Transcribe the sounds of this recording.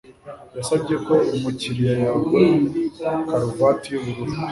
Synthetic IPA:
jasabɟe̞ko̞omuciɾijajaɡe | kaɾuvatiβuɾuɾu

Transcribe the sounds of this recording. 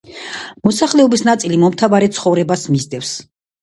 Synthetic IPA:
mɔsaχlɛɔbisnat̪sʼilimɔmt̪ʰavaɾɛt̪sʰχɔvɾɛbasmizd̪ɛfs

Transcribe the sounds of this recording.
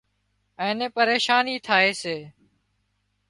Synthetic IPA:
ɛ̃ːneːpəɾeːʃaːniːt̪ʰaːeːseː

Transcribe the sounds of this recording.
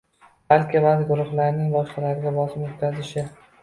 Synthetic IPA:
b̥alkʲɪvazɡʊɾʊχlaɾnɪŋbɒʃqɑlaɾɪɡʲabɒsɪmʊt̪̚ʲkʲʰːazɪʃɪ

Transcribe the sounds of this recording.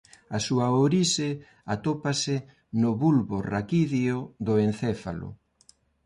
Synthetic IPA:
asuɐoɾise | at̪opasɪ | nʊβulβorakiðjʊðʊenθɛfalʊ̰

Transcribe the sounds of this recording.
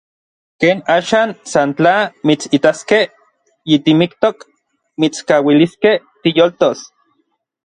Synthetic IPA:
keːnaːʃaːnsant͡ɬamit͡sit̪askeh | jit̪imikt̪ok | mit͡skaːwiliskeh | t̪ijolt̪os

